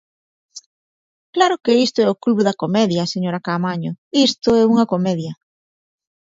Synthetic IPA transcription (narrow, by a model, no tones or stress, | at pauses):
klaɾokeist̪oɛʊkluβoðɐkomɛðjaseɲoɾakamaɲoist̪oɛuŋɐkomɛðjɐ